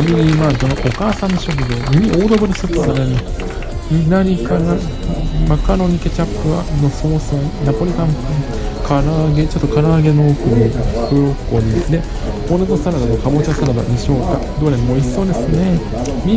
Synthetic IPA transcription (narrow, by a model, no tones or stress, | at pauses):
mʲiɲʲimakonoʔokaːsãnːɕokɯ̟d̪emimʲiʔoːd̪obɯ̟ɾɯsot̪ːosaɾaɲʲi | mʲinaɲʲikana | makaɾo̞ɲ̟ike̞t͡ɕapːɯ̟a̰noso̞ːsoːnapoɾʲit̪ãm | kʰaɾaːɡe̞t͡ɕot̪ːokʰaɾaːɡe̞noːkɯnikɯɾokːoɲid̪e | ponet̪osaɾad̪anokamot͡ɕasaɾad̪a̰mʲiɕoːka | d̪oːɾemmoisːoːd̪e̞sɨne̞ | mʲi